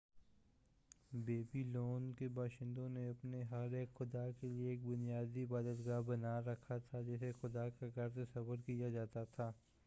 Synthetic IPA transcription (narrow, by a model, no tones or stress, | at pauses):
beːbiloːnkebaːʃɪ̃nd̪õneɐpneɦɐɾeːkxʊd̪akelieːk̚bʊnijaːd̪iɪbaːd̪ət̪ɡaːɦbɐnaɾɐkʰat̪ʰad͡ʒɛːsexʊd̪akaɡʱɐɾsesɐbəɾkijad͡ʒaːt̪at̪ʰaː